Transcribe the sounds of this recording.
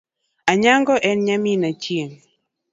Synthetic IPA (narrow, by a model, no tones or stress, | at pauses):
aɲaŋɡɔʔɛnɲaminat͡ʃjeŋ